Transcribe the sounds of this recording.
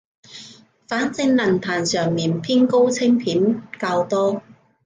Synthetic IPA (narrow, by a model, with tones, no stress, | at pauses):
faː˨˥nt͡sɪ˧ŋlɐ˨˩nt̪ʰaː˨˩nsœː˨˩ŋmiː˨˩npʰiː˥nko˥wt͡sʰɪ˥ŋpʰiː˨˥nkaː˧wt̪ɔː˥